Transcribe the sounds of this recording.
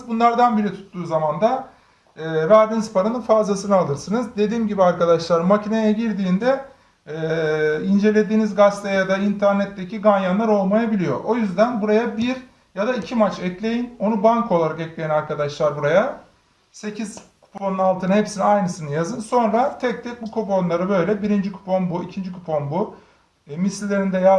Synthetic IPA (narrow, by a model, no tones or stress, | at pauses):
bunlˠaɾd̪anbiɾit̪ʰu̥t̪ːuːzamand̪aː | væɾd̪inizpʰaɾanɯnfazlˠasɯnɯalˠɯɾsɯnɯzd̪e̞d̪iːmɟibiaɾkad̪aʃlˠaɾɯmmacʰinejaɟiɾd̪iːnd̪ɛ | ind͡ʒe̞lʲe̞d̪iːnizɡast̪ʰajad̪aint̪ʰæɾnɛt̪ːecʰiɡanjanlˠaɾo̞lˠmajabilʲijo̞̰o̞jyzd̪ænbuɾajabiɾ | jad̪aicʰimat͡ʃɛclʲe̞jino̞nubaŋkʰo̞lˠaɾakɛclʲejinaɾkʰad̪aʃlˠaɾbuɾaja | se̞cʰiz̥kʰu̥pʰo̞nunalˠt̪ʰɯnɯɦepsiniajnɯsɯnɯjazɯnso̞nɾat̪ʰɛc̚t̪ʰɛk̚bukʰupo̞nlˠaɾɯbø̞jlʲɛbiɾind͡ʒikʰu̥pʰo̞nbuicʰind͡ʒikʰupʰo̞nbu | mislʲːe̞ɾind̪ɛja